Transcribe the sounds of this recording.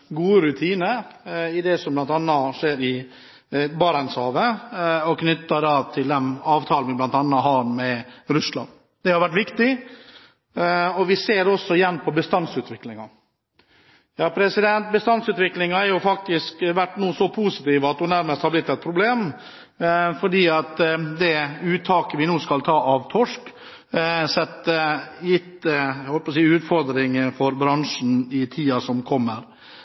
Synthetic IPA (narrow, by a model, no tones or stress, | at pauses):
ɡuːəɾʉt̪ʰiːnəɪd̪ɛsɔmblɑnt̪ɑnːɑʂeːɾɪ | bɑːɾɑnshɑːʋəɔkʰnʏt̪ːəɾɑːʋt̪ʰɪld̪ɛmɑːʋt̪ʰɑːlnʋɪblɑnt̪ɑnːɑɦɑɾmɛɾʉslɑ̰n | d̪ɛhɑɾʋæʈːʋɪkt̪ɪ | ɔʋɪseːɾɔsːɔɪjɛnːpʰɔbəst̪ɑnsʉːt̪ʋɪklɪŋɑ | jɑːpʰɾɛsɪd̪ɛnt̪̚bəst̪ɑnsʉːt̪ʋɪklɪŋɑæɾjʊfɑk̚t̪ɪskʋæʈːnuːsɔpʰuːsɪt̪iːʋəɑt̪̚d̪ʊnæɾməst̪hɑblɪt̪ːɛt̪̚pʰɾʊbleːm | fɔɖiːɑt̪d̪ɛʉːt̪ʰɑːkəʋɪnuːskɑlt̪ʰɑːʔɑʋt̪ʰɔʂk | sɛt̪ːəjɪt̪ːhɔləpɔsiːʉːt̪fɔɾd̪ɾɪŋfɔɾbɾɑŋʂn̩ɪt̪ʰiːɑsɔmkʰɔmːəɾ